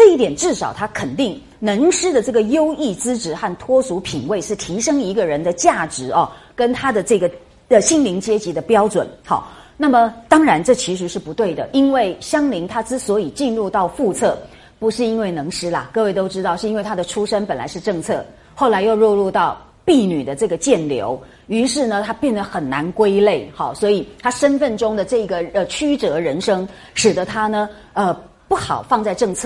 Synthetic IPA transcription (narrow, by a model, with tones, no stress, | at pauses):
ʈ͡ʂɤ˥˧i˥˩t̪jɛ˨˩nʈ͡ʂɻ̩˥˩ʂɑ˨˩ʊt̪ʰa˥kʰə˨˩nt̪i˥˩ŋ | nɤ˧˥ŋʂɻ̩˥d̪ə˨ʈ͡ʂɤ˥˩ɡə˩jo˥ʊi˥˩t͡sɹ̩˥ʈ͡ʂɻ̩˧˥xa˥˩nt̪ʰwɔ˥su˧˥pʰi˨˩ŋwe˥˧ɪʂɻ̩˥˩t̪ʰi˧˥ʂɤ˥ŋi˧˥ɡə˧ɻə˧˥nd̪ə˧t͡ɕja˥˩ʈ͡ʂɻ̩˧˥ɐ˧kə˥nt̪ʰa˥d̪ə˨ʈ͡ʂɤ˥˩ɡə˩ | ə˧ɕi˥˩ŋli˧˥ŋt͡ɕjɛ˥t͡ɕi˧˥d̪ə˧pjɑ˥ʊʈ͡ʂwə̰˨˩nxɑ̰˥˩na˥˩mə˨t̪ɑ˥ŋɻa˧˥nʈ͡ʂɤ˥˩t͡ɕʰi˧˥ʂɻ̩˧˥ʂɻ̩˥˩pu˧˥t̪we˥˩ɪd̪ə̰˩ʔi˥nwe˥˩ɪɕjɑ˥ŋli˧˥ŋt̪ʰa˥ʈ͡ʂɻ̩˥swɔ˧˥i˨˩t͡ɕi˥˧nɻu˥˧t̪ɑ˥˧ʊfu˥˧t͡sʰɤ˥˩ | pu˧˥ʂɻ̩˥˩i˥nwe˥˩ɪnɤ˧˥ŋʂɻ̩˥lɐ̰˨kɤ˥˧we˥˩ɪt̪o˥ʊʈ͡ʂɻ̩˥t̪ɑ˥˧ʊʂɻ̩˥˧i˥nwe˥˩ɪt̪ʰa˥d̪ə˨ʈ͡ʂʰu˥ʂə˥npə˨˩nla̰˧˥ɪʂɻ̩˥˧ʈ͡ʂɤ˥˧ŋt͡sʰɤ˥˩ | xo˥˩ʊla˧˥ɪjo˥˧ʊɻɔ˥˧ɻu˥˧t̪ɑ˥˩ʊ | pi˥˩ny˨˩d̪ə˦ʈ͡ʂɤ˥˩ɡə˩t͡ɕjɛ˥˩nljo̰˧˥ʊ | y˧˥ʂɻ̩˥˩nə˨t̪ʰa˥pjɛ˥˩nd̪ə˩xə˨˩nna˧˥nkwe˥ɪle˥˩ɪxɑ˨˩swɔ˧˥i˨˩t̪ʰa˥ʂə˥nfə˥˩nʈ͡ʂʊ˥ŋd̪ə˨ʈ͡ʂɤ˥˩i˧˥ɡə˧ə˧t͡ɕʰy˥ʈ͡ʂɤ˧˥ɻə˧˥nʂɤ˥ŋ | ʂɻ̩˨˩d̪ə˧˦t̪ʰa˥nə˨ | ə˧ | pu˥˩xɑ̰˨˩ʊfɑ˥˧ŋt͡sa˥˧ɪʈ͡ʂɤ˥˧ŋt͡sʰɤ˥˩